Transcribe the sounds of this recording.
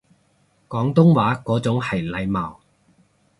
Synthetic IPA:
kɔː˨˥ŋt̪ʊ˥ŋwaː˨˥kɔː˨˥t͡sʊ˨˥ŋhɐ˨˩jlɐ˨˧jmaː˨˩w

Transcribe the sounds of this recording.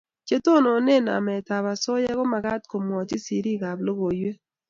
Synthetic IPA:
t͡ʃe˦to˦no˨ne˦˨na̰˨mɛ˨ta˨βa˨so˦jɛ˦ɣɔ˦ma˨ɡa˦t̚ko˨mwɔ˨t͡ʃi˦si˨ɾi˦˨ɡa˨blo˦ɣo˨jwe˦

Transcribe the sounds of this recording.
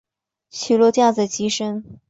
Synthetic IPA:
t͡ɕʰy˨˩lwɔ˥˧t͡ɕjɑ˥˩t͡sə˩t͡ɕi˧˥ʂə˥n

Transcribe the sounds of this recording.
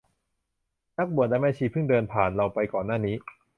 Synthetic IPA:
na˦˥k̚bu˨˩ət̪̚daː˧˥maː˧˥˩t͡ɕʰiː˧˩pʰɯ˥˩ŋdɤː˧npʰaː˨˩nɾa˧wpa˧jkɔː˨˩nːaː˥˩niː˦˥

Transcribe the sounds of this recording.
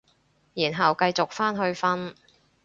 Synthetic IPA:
jiː˨˩nɦɐ˨wkɐ˧jt͡sʊ˨k̚faː˥nɦɵ˧ɥfɐ˥n

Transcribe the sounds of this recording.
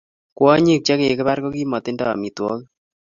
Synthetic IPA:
kwɔ˦ɲi˦˨k̚t͡ʃɛ˦ke˨kɪ˦βa˦ɾkɔ˦ki˦mɔ˨t̪ɪ˦ndɔ˦a̰˨mi˨t̪wɔ̰˦k

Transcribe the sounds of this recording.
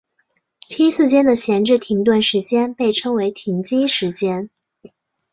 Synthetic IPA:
p̪ʰi˥sɹ̩˥˩t͡ɕjɛ˥nd̪ə˨ɕjɛ˧˥nʈ͡ʂɻ̩˥˩t̪ʰi˧˥ŋt̪̬wa˥˩nʂɻ̩˧˥t͡ɕjɛ˥npe˥˩ɪʈ͡ʂʰɤ˥ŋwe˧˥ɪt̪ʰi˧˥ŋt͡ɕi˥ʂɻ̩˧˥t͡ɕjɛ˥n

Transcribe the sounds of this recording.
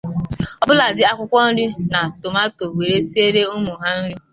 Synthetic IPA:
ɔ˦bʊ˦la˨dɪ˦a˦kʷʊ˦kʷɔ˦n̩˦ɾi˦na˨to˨ma˦to˨wʷe˨ɾe˦si˦e˦ɾe˦u˦mʊ˨ɦa˦n̩˦ɾʊ˦

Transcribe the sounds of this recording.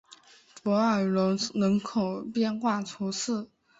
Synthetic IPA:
pwɔ˧˥ə˞˨˩˧nɤ˧˥ŋkʰo˨˩ʊpjɛ˥˧nxwa˥˩t͡sʰu˧˥sʰɹ̩˥˩

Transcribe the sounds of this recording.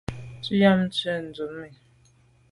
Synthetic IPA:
t͡su˦ja˦m̩˦t͡sɛ˦˨n̩˨d͡zu˨mːɛ˨

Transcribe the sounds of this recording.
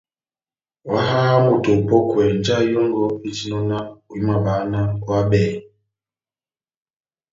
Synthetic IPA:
wa˦ɦa˦mu˨to˨po˦kwɛ˨n˦d͡ʒa˦jo˦ŋɡɔ˦i˦t͡ʃi˦nɔ˦na˦wi˦ma˨baː˨˦na˦kwa˦bɛ˨

